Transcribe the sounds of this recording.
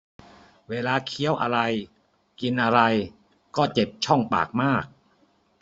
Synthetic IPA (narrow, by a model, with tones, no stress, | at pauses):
weː˧laː˧kʰi˦˥əwʔa˧ɾa˧j | ki˧nʔa˧ɾa˧j | kɔː˥˩t͡ɕe˨˩p̚t͡ɕʰɔ˥˩ŋpa̰ː˨˩k̚maː˥˩k̚